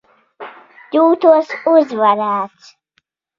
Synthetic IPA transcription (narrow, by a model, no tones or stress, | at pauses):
tuːt̪ʰuɔsuzvaɾaːt̪sʰ